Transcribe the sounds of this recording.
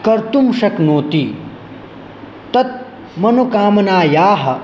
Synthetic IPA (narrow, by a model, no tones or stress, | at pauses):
kɐɾt̪umʃɐknoːt̪i | t̪ɐt̪̚ | mɐnukaːmɐnaːjaːɦɐ̆